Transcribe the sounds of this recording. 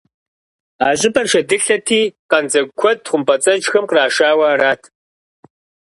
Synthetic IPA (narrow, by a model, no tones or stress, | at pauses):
aːʑʼɪbɐrʃɐdɨɬɐtʰiːqɐnd͡zɐkʷʰɔd̚χʷʊmpɐt͡sʼɐnt͡ʃxɐmqraːʃaːwɐːɾaːtʰ